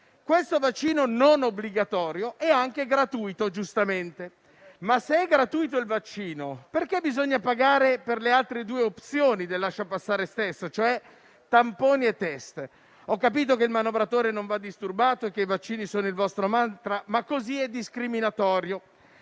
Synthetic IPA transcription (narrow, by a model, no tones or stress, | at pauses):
kwest̪ovat͡ʃːiːnononobliɡat̪ɔːɾjoʔɛaŋk̟eɡɾat̪uːjt̪od͡ʒust̪ament̪e | masːeɛɡɾat̪uːjt̪̬oilvat͡ʃːiːnoperkebizoɲːapaɡaːɾeperlealt̪ɾed̪uːeopt̪sjoːnid̪elːaʃːapasːaːɾest̪esːot͡ʃoɛ | t̪ampoːniet̪ːɛst̪ | ɔkːapiːt̪̬okeilmanovɾat̪oːɾenoɱvad̪ːist̪urbaːt̪oekːeivat͡ʃːiːnisoːnoilvɔst̪ɾomant̪ɾamakːoziɛd̪ːiskɾiminat̪ɔːɾjo